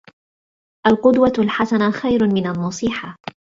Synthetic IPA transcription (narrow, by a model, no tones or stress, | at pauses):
ʔalqʊd̪walħasanaxajɾmɪnanːɑsˤiːħa